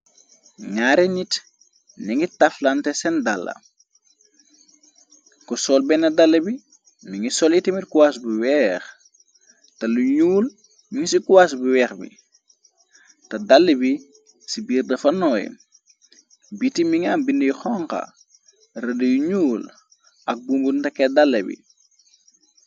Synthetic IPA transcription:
ŋaːɾɛɲit | niŋitɐflɐntɛsɛndalːɐ̰ | kɔsɔːlbɛnɐdalːɐbi | miŋisɔlitimitkuwas̬buwɛːx | tɐluɲuːl | miŋsikuwas̬buwɛːxbḭ | tɐdalːəbi | sibiːrdɐfɐnɔːj̰ | bitimiŋaːmbindəjuxɔŋkɐ̰ | rədəjuɲuːl | ʔɐk̚bumbuntɐkːɛdalːɐbḭ

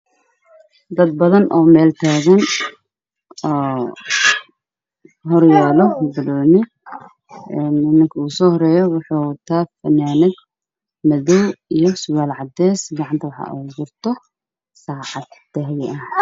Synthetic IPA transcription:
d̪ɐd̪̚bɐðɐnʔɔːmɛːlt̪ʰaːɣɐn | ɔː | ɦɔrjɛːlɔbɐlɔːnɪ | ɛːnɪnːɐŋkʰɐuːsɔːhɔɾɛːjɔwʊħuːwt̪ʰaːfɐnaːnɛɡ | mɐðɔwijɞsʊwaːlʕɑd̪ɛːsɡɑʕɑnt̪ʰɐwɑħɑ̰ʔuɡʊrt̪ʰɔ | saːʕɑd̪̥ːɛɦjɐh

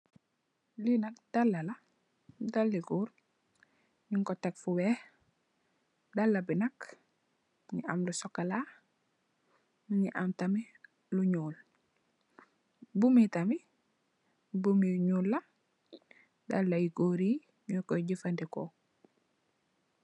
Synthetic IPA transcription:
linak̚d̥alːala | dalːiɡuːɾ | ɲiŋkɔtekfuwɛh | dalːabinak | ɲḭʔa̰mlusɔkːala | ɲiʔamtami | luɲuːl | bumitami | bumiɲuːlːa | dalːajiɡoɾiː | ɲukɔɟifandiko

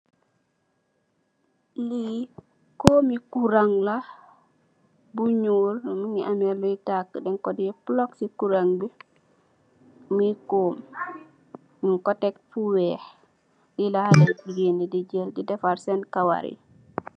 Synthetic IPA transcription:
li | komikuɾaŋla | buɲulmiŋiʔamɛlːɔjtakːəɗɛŋkɔdiplɔksikuɾaŋbi | mikom | miŋkɔtɛk̚fuwɛh | dilahalɛd͡ʒiɡenidid͡ʒɛldidɛfaɾsɛnkawa̰ɾḭ

